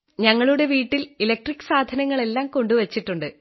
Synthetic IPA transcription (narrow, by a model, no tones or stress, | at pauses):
ɲɐŋːɐɭuɽe̞ʋiːʈːililek̚ʈrikːɨ̥saːd̪ʱɐnɐŋːɐɭe̞lːaːmko̞ɳɖuʋɐt͡ɕːiʈːuɳɖɨ